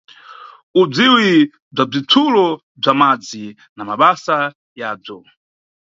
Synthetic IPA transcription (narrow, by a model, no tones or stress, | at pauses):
ub͡ʐiwi | b͡ʐab͡ʐitʰulɔ | b͡ʐamad͡zi | namaɓasa | jaːb͡ʐɔ